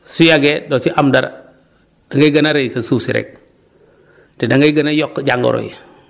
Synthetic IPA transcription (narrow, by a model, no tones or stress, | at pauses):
sujaɡedosiʔamdaɾ̰ | d̥aŋɡajɡanaɾejsasusiɾɛ̰k̚ | tidaŋɡajɡanajɔkːd͡ʒaŋɡo̰ɾo̰j